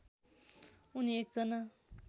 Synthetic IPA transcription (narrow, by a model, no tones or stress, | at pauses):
uniek̚d͡zʌna